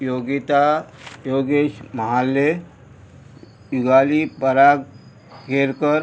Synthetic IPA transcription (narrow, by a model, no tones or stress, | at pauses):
joɡit̪ajoɡeɕməɦalːe | juɡalipəɾaɡ | keɾkəɾ